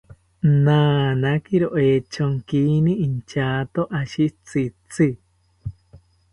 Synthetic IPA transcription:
naːnakiɾoʔet͡ʃoŋkiːnĩint͡ʃaːt̪oʔaʃit͡sit͡si

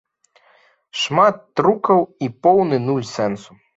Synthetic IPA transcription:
ʂmat̪ːɾukɐwipɔwnɨnulʲsɛnsu

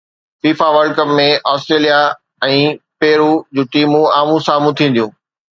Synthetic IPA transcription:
fiːfaʋəlɖkəpmẽʔɔːsʈɾeːlija | ɛ̃ːpeːɾud͡ʑũːʈiːmũaːmũsaːmũt̪ʰĩːn̆d̪ijũː

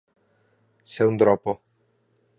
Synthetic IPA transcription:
seund̪ɾɔpːo

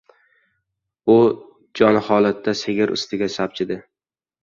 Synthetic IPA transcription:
ʊ | d͡ʒɒnhɒlˠat̪ʰːaseɡʲɪɾʔʊ̰st̪ʰɪɡʲasap̚t͡ʃʰɪd̪ɪ

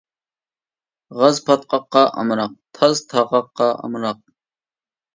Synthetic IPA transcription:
ʁɑzpʰɐt̪̚qɑqːɑʔɐ̰mɾɑq̚t̪ʰɐzt̪ʰɑqɑqːɑɐ̰mɾɑq̚

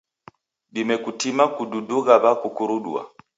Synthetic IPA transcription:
ɗimɛkutimakududuɣaβakukuɾuɗṵa̰

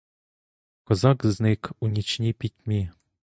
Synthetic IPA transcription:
kɔzɑkznɪkunʲit͡ʃnʲipʲitʲmʲi

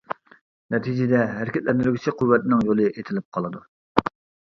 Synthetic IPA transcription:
nɛt̪ʰid͡ʒɪd̪ɛɦæɾɪkʲɛt̪̚lɛnd̪ɪɾɡʲit͡ʃʰiqʰuwːɛt̪ɪnɪŋjolˠɨʔet̪ʰɪlɪp̚qʰɑlˠɨd̪u

